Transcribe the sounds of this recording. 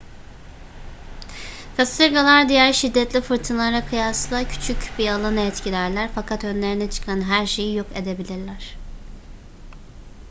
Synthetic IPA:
kʰast̪ɯɾɡalˠaɾd̪ijæɾʃid̪ːɛt̪lʲifɯɾt̪ʰɯnlˠaɾakʰɯjaslˠacʰy̥t͡ʃʰycbialˠanaɛt̪cʰilʲæɾlʲæɾfakʰat̪ø̞nlʲe̞ɾinɛt͡ʃʰɯ̥kʰanɦæɾʃe̞jijoke̞d̪e̞bilʲiɾlʲæɾ̝̥

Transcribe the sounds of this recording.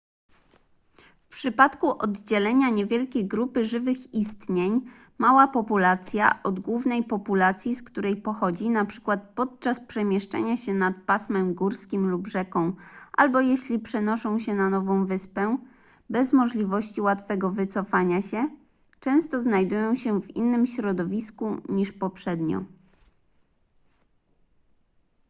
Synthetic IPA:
fpʂɘpat̪kuʔɔd̪d͡ʑɛlɛɲaɲɛvʲjɛlkʲejɡɾupɘʐɘvɘxist̪ɲeɲ | mawapɔpulat̪sʲja̰ʔɔd̪ɡwuvn̪ɛjpɔpulat̪sʲjiskt̪uɾɛjpɔxɔd͡ʑinapʂɘ̥kwat̪̚pɔt̪̚t͡ʂaspʂɛmʲjɛʂt͡ʂa̰ɲaɕɛnat̪̚pasmɛmɡuɾskʲimlubʐɛkɔ̃w̃ʔa̰lbɔjeɕlʲipʂɛnɔʂɔ̃w̃ɕɛnanɔvɔ̃w̃vɘspɛ | bɛzmɔʐlʲivɔɕt͡ɕiwat̪fɛɡɔvɘt̪sɔfaɲaɕɛ | t͡ʂɛ̃w̃st̪ɔznajd̪ujɔ̃w̃ɕɛvḭnːɘmɕɾɔd̪ɔvʲiskuɲiʂpɔpʂɛd̪ɲɔ̰

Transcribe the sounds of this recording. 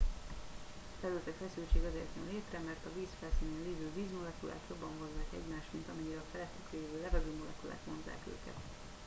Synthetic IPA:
fɛɾyːlt̪ɛkfɛsylt͡ʃeːɡɒzeːrt̪nɛ̰nleːt̪rɛmɛrt̪ɒviːsfɛlsineːnleːvøːviːzmo̞lɛkulʔa̰ːt̪jo̞bːɒɱvɒzːaːkɛ̰ɟmaːʃt̪mint̪ɒmɛɲːiɾɛɒfɛlɛt̪ykleːvøːlɛvɛɡøːmolɛkula̰ːt̪monza̰ːkø̰ːkɛ̰t̪

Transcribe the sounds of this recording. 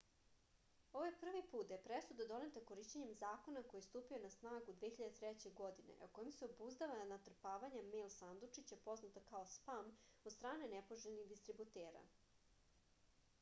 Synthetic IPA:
o̞ʋajpr̩ʋipuːt̪jepɾesud̪ad̪o̞net̪ako̞ɾiʃt͡ɕeɲe̞mzaːko̞nako̞jist̪uːpio̞nasnaːɡud̪ʋeçiʎad̪et̪ɾet͡ɕeɡo̞d̪inḛoko̞jimseobuzd̪aʋanat̪r̩paːʋaɲamelsand̪ut͡ʂit͡ɕapo̞znat̪okaospamod̪st̪ɾaːne̞nepoʒeʎʲniɣd̪ist̪ɾibut̪eːɾa̰

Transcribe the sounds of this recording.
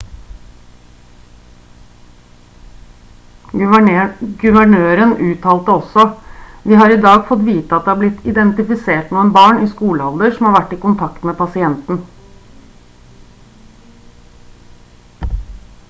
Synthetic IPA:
ɡʉʋəɳøːɾənʉːt̪ʰɑːlt̪əɔsɔʋiːhɑɾɪd̪ɑːɡfɔt̪ʋiːt̪əɑt̪̚d̪ɛːhɑɾblɪt̪ʰːɪd̪ɛnt̪ɪfɪseːʈnuːənbɑːɳiːskuːləɔld̪əʂɔm̩hɑːɾʋæʈːɪːkʊnt̪ʰɑkt̪meːpɑsɪɛnt̪n̩

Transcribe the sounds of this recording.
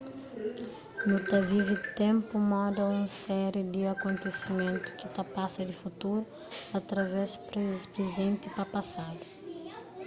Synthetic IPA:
nut̪avivɪt̪ẽmpʊmɔ̃d̪ɐũsɛɾɪd̪ɪakõnt̪esimẽnt̪ʊ̥kɪt̪apasɐd̪ɪfut̪uɾʊ | at̪ɾavɛsɾpɾezẽnt̪ɪpɐpasad̪ʊ

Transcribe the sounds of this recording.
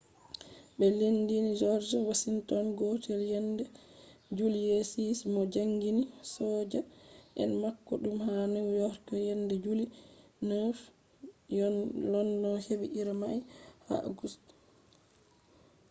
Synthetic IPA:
ɓɛlindinid͡ʒɔɾd͡ʒawasintɔnɡotʰɛljɛndɛd͡ʒuljesismɔd͡ʒaŋɡinisɔːd͡ʒaʔɛ̰nmakːɔɗumhanɛjɔɾkɔjɛndɛd͡ʒulinəf | jɔlɔnːɔheɓiʔiɾamajha̰ʔa̰ɡust

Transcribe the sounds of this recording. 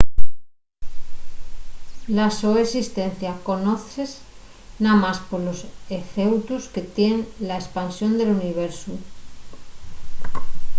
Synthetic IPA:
lasoesist̪en̟θjako̞noθez | namaspoɾloseθewt̪uske̞t̪jenlaespansjond̪e̞luniβ̞eɾsu

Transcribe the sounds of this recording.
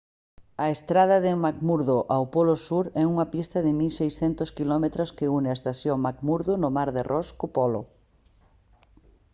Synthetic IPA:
ɐest̪ɾað̞ɐðɪmakmuɾðoʔawpɔlʊsuɾɛuŋɐpist̪ɐðɪmilsejsθɛnt̪ʊskilɔmet̪ɾʊskɪunɪaest̪aθjoŋmakmuɾðʊnʊmaɾðɪrʔɔskʊpɔlʊ̰

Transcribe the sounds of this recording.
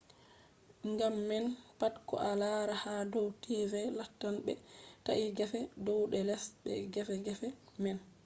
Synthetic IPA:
ŋɡamːɛnpatkɔ̰ʔalaɾahadɔwtivɛlatːanɓɛtaʔiɡɛfɛdɔwɗɛlɛsbɛ̰ɡɛfɛɡɛfɛmɛn

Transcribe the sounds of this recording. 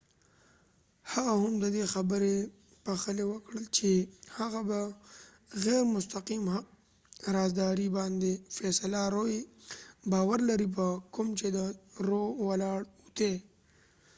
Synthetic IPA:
haɣahʊmd̪əd̪exabəɾe | paxəlewəkɽəlt͡ʃehaɣaba | ɣɛɾmʊst̪aqimha | ɾɑzd̪ɑɾibɑnd̪efɛsalaɾoj | bɑːwaɾlaɾip̬əkʊmt͡ʃed̪əɾowalɑɽut̪e

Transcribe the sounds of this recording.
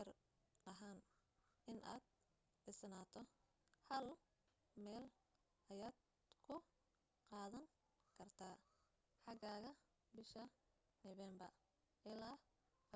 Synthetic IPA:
ɐr | ɐɦaːnʔɪnʔa̰ːd̪ | ʕɪsnaːt̪ʰɔ | hɐl | mɛːl | ʔɐjaːd̪ | kʰʊ | qɑːðɐŋ | kʰɐrt̪ʰaː | ħɑɡaːɣɐ | bɪʃɐ | nɔβɛːmbɐ̰r | ʔɪlaː

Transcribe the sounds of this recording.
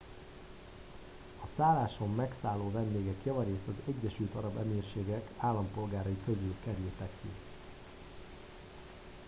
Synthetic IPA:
ɒsaːlaːʃo̞mːɛksaːlːoːvɛnd̪eːɡɛkjɒvɒɾeːst̪ɒzɛɟːɛʃylt̪ɒɾɒbɛmeːrʃeːɡɛkaːlːɒmpo̞lɡaːɾɒjikø̞zylkɛɾylt̪ɛkːḭ

